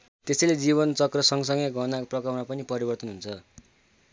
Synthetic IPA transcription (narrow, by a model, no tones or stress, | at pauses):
t̪esʌjled͡ziβʌnt͡sʌkrʌsʌŋɡʌsʌŋɡʌjɡʱʌnaprʌkʌrmapʌnipʌɾibʌrt̪ʌnɦunt͡sʰʌ